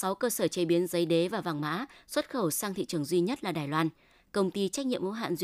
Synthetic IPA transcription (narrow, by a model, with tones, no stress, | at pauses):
sa˨˦wkəː˧səː˧˩t͡ɕe˨˦ɓi˨˦ənzə˨˦jɗe˨˦vaː˨˩wva˨˩ŋma̰ː˧˥swə˦˥t̚xə˧˩wsaː˧ŋt̪ʰḭ˧˨t͡ɕɨ˨˩əŋzwi˧ɲə˦˥t̚laː˨˩ɗaː˨˩jlwaː˧n | kə˧wŋ͡mt̪i˧t͡ɕa˦˥k̚ɲḭ˧˨əmo̰˧˥ɦa̰ː˧˨nz